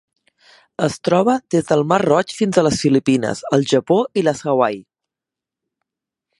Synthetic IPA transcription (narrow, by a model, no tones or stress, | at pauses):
əst̪ɾɔβ̞əðezðəlˠmarrɔt͡ʃfinzələsfilipinə̰zəlˠʒəpoʔiləsəwaj